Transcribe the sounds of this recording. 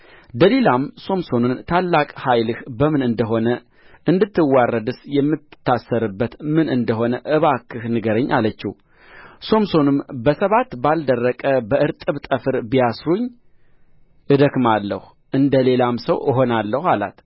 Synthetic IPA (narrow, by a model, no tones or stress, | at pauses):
d̪əle̞lamso̞mso̞nɨnt̪ʰalːakʼhajlɨhbəmɨnɨnd̪əɦo̞nə | ɨnd̪ɨt̪ːɨwːarːəd̪ɨsjɛmːɨt̪ʰːasːəɾɨbːət̪mɨnɨnd̪əɦo̞nəʔɨβakʰːɨhnɨɡəɾəɲːʔa̰lət͡ʃːɪ̰ | so̞mso̞nɨmbəsəβat̪bald̪ərːəkʼəbəɨɾt̪ʼɨβt̪ʼəfɨɾbijasɾuɲː | ʔɨd̪əkmalːə̰hu | ʔɨnd̪əle̞lamsəwəɦo̞nalːəhala̰t̪